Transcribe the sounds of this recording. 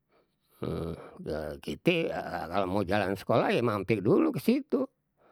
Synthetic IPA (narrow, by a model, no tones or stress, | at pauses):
əkit̪ekalomod͡ʒalansə̥kolajemampɪk̚dulukəsit̪u